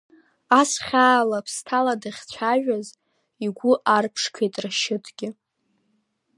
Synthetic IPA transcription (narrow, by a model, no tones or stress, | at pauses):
asχʲaːlapʰstʰaladɨχʲt͡ɕʷʰaʒᶣaz | iɡʷʊʔarpʰʂkʰejtʼraʃɪtʰɡ̥ʲɪ